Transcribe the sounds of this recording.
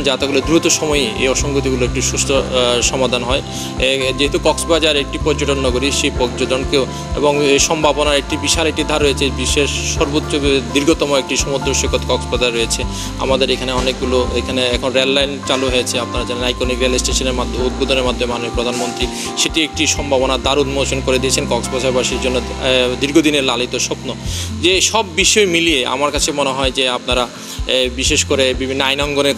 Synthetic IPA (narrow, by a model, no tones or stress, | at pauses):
nd͡ʑat̪eɡuled̪uit̪oʃɔmɔeḛjɔʃoŋɡot̪̬iɡuloek̚ʈiʃusʈʰoʃɔmad̪ʱanɦɔe | d͡ʑeɦet̪ukɔksbad͡ʑaɾek̚ʈipɔɾd͡ʑoʈonnɔɡoɾiʃepoɾd͡ʑod͡ʑ̪onkeo | ḛboŋʃɔmbʱabonaɾek̚ʈibiʃaɾeʈid̪ʱaɾɦoet͡ɕʰebiʃeʃʃɔɾbot̪ːɕod̪iɾɡʱot̪ɔmoek̚ʈiʃɔmod̪ɾoʃikʰːot̪kɔksbad͡ʑaɾːojet͡ɕʰe | a̰mad̪eɾekʰaneɔnek̚ɡuloekʰaneɛkʰonɾelːajnt͡ɕaluɦojet͡ɕʰeapnaɾad͡ʑanenajkɾonikɾialisʈeʃoneɾmad̪ʱud̪̚bod̪ʱoneɾmad̪ʱomemanomipɾod̪ʱanmont̪ɾi | ʃeʈiek̚ʈiʃɔmbʱabonat̪aɾud̪mot͡ɕonkoɾed̪iet͡ɕʰenkɔksbad͡ʑaɾbaʃiɾd͡ʑonːod̪iɾɡʱod̪ineɾlalit̪oʃɔpnod͡ʑeʃɔbːiʃɔemiliea̰maɾkat͡ɕʰemoneɦɔed͡ʑeapnaɾa | biʃeʃkoɾebibʱinːoajnɔŋɡone